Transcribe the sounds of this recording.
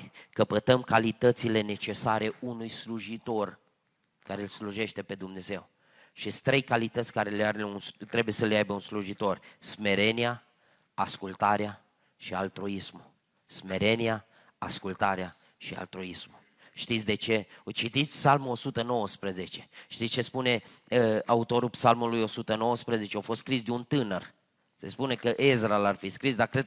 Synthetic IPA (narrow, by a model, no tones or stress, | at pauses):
kəpət̪əmkalit̪ət̪sile̞ne̞t͡ʃe̞saɾe̞unujsluʒit̪o̞r | kaɾelsluʒe̞ʃt̪e̞pe̞d̪umne̞ze̞w | ʃest̪ɾe̞jkalit̪ət̪sʲkaɾeleaɾeunst̪ɾe̞buje̞səleajbəunsluʒit̪o̞rsme̞ɾenia | askult̪aɾea | ʃialt̪ɾuismu | sme̞ɾe̞nia | askult̪aɾea | ʃia̰lt̪ɾuismu | ʃt̪it̪sʲd̪e̞t͡ʃe̞ot͡ʃit̪it̪psalmuosut̪əno̞wəspɾəze̞t͡ʃe̞ʃt̪it̪st͡ʃe̞spune̞əaut̪o̞ɾupsalmulujo̞sut̪əno̞wəspɾəze̞t͡ʃeafo̞st̪skɾisd̪eunt̪ɨnər | se̞̰spune̞kəʔezɾalarfiskɾisd̪akɾed̪̚